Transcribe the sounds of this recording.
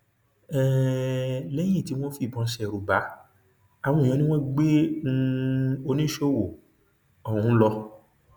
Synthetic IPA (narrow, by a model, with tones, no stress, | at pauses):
ɛ˨ | lɛ˦j̃ĩ˦˨ti˨˦w̃ɔ̃˦fi˦˨bɔ̃˨˧˦ʃɛ˧˨ɾu˨ba˨˦ | a˦˨w̃ɔ̃˧˨ĩ˧˦nĩ˦w̃ɔ̃˦ɡ͡be˦˧ | o˧nĩ˦ʃo˦˨wo˨ | ɔ˨ũ˨˦lɔ˧